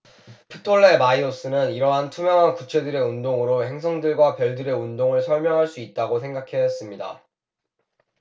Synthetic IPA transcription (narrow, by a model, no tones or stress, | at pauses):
pʰɯtʰoɭːe̞maios͈ɯnɯniɾʌɦantʰumjʌŋɦankut͡ɕʰe̞dɯɾe̞undoŋɯɾohe̞ŋs̬ʰʌŋdɯɭɡwapjʌɭdɯɾe̞undoŋɯɭsʰʌɭmjʌŋɦaɭs͈uit̚t͈aɡosʰe̞ŋɡakʰe̞es͈ɯmɲida̰